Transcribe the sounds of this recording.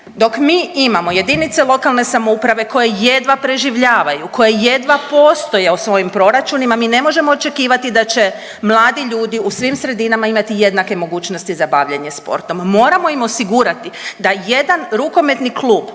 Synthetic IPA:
d̪o̞kmiːimamo̞je̞d̪init̪selˠo̞kalˠne̞samoupɾaʋe̞ko̞jeje̞d̪ʋapɾe̞ʒiʋʎaːʋajuko̞jeje̞d̪ʋapo̞ːst̪o̞jeusʋo̞jimpɾo̞ɾat͡ʃunimamiːne̞mo̞ʒe̞mo̞ːt͡ʃe̞kiːʋat̪id̪at͡ʃe̞ | mlˠaːd̪iʎuːd̪iusʋimsɾe̞d̪inamaimat̪ije̞d̪nake̞mo̞ɡuːt͡ʃno̞st̪izabaʋʎeɲe̞spo̞̰ɾt̪o̞mːo̞ːɾamo̞imo̞siɡuɾat̪id̪aje̞d̪anɾuko̞me̞t̪niklˠuːb

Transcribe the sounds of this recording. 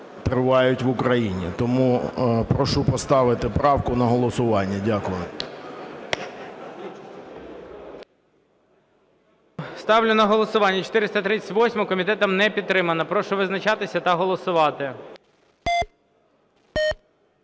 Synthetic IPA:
t̪ɾɪʋɑjʊtʲʋʊkɾɐjinʲḭt̪ɔmupɾɔʃupɔst̪ɑʋɪt̪ɪpɾɑwkʊnɐɦɔlˠɔsʊʋɑnʲːɐdʲakʊjʊ | st̪ɑwlʲʊnɐɦɔlˠɔsʊʋɑnʲːɐt͡ʃo̥t̪ɪɾɪst̪ɐt̪ɾɪt͡sʲɐ̥tʲʋɔsʲmɔkɔmʲit̪ɛt̪ɐmnɛpʲid̪̚t̪ːɾɪmɐnɐpɾɔʃʊʋɪznɐt͡ʃɑt̪ɪsʲɐt̪ɐɦɔlˠɔsʊʋɑt̪ɪ

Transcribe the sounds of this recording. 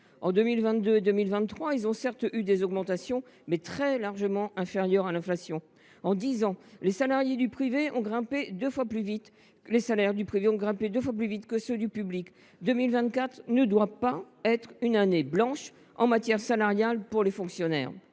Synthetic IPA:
ɑ̰̃d̪əmilvɛ̃t̪̚d̪øed̪əmilvɛ̃t̪ːχwailzɔ̃sɛʁt̪yd̪ezɔɡmɑ̃t̪asjɔ̃ | mɛt̪χɛlaʁʒəmɑ̃ʔɛ̃feʁjœʁalɛ̃flasjɔ̃ | ɑ̃d̪izɑ̃lesalaʁjed̪ypχiveʔɔ̰̃ɡʁɛ̃ped̪øfwaplyvit̪ | lesalɛʁd̪ypχiveɔ̃ɡʁɛ̃ped̪øfwap̬lyvit̪kəsød̪ypyblik | d̪əmilvɛ̃t̪kat̪χnəd̪wavpa | ɛt̪χynaneblɑ̃ʃ | ɑ̰̃mat̪jɛʁsalaʁjalpuʁlefɔ̃ksjɔnɛ̰ːʁ

